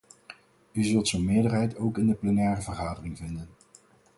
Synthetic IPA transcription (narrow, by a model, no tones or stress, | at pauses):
yzɵlˠtsonmɪːɹdərɦɛjtowkɪndəplɛnɛːrəvəɹχaːdərɪŋvɪndən